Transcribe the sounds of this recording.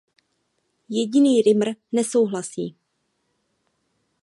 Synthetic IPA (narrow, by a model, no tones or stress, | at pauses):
jɛɟɪniːɾɪmr̩nɛso̞wɦlasiː